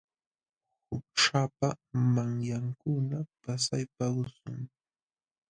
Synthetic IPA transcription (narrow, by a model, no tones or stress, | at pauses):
hʊk̚ʈ͡ʂapamaŋjaŋkʊnapasajpaɢʊsʊŋ